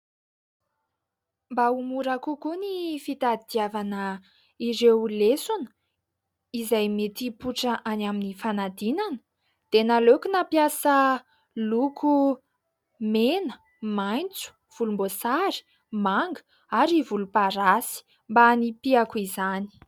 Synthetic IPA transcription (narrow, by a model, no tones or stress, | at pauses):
mbaumuɾakukunifit̪ad̪iavanə | iɾewlesunə̥ | izajmet̪ipuʈ͡ʂəʔanaminifanad̪inanə̥ | d̪̥enalokunapjasə | lukʰu | menə | majnt͡su̥ | v̥ulumbosaɾi̥ | maŋɡə̥ | aɾivulupaɾasi̥ | mbanipiakuizani̥